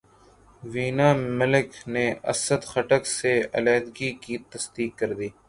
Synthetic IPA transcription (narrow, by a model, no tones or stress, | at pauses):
ʋiːnaːmɪlɪkneːɐ̰səd̪xəʈəkseɐ̰lɛːd̪ɡiːkiːt̪əsd̪iːkːəɾd̪iː